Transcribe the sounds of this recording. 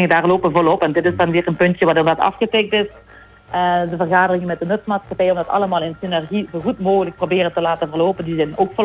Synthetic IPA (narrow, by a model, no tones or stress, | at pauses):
ŋdaːrloːpʋəvɔlˠɔpɛndɪtɪsdɑnʋɪːrənpɵntjəʋaːdoːrdɑtɑ̰fɣətɪk̚tɪs | ədəvərɣaːdərɪŋəmɛt̚dənøtmaːtsxɑpɛjəɔmdɑtɑ̰ləmaːlˠɪnsinɛrɣizoːɣutmoːɣələk̚probɪːrətəlaːtəvərloːpəndizɛnoːkfo